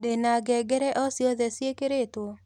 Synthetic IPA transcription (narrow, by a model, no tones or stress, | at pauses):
denaɡɛɡɛɾɛʔɔsjɔðɛsjekeɾet̪wo